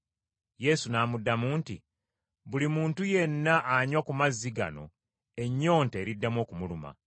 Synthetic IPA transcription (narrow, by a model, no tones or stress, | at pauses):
je̞sunaːmudːamuːnti | βulimuːntuje̞nːaʔːɲwakumazːiɡa̰no̞̰ | e̞ɲːo̞ːnte̞ːɾidːamwo̞ːkumuluma̰